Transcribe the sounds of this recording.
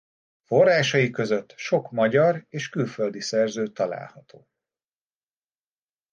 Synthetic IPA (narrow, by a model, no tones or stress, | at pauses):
fo̞rːaːʃɒjikø̞zø̞t̪ːʃo̞kmɒɟɒreːʃkylfø̞ld̪isɛrzøːt̪ɒla̰ːlhɒt̪ʰoː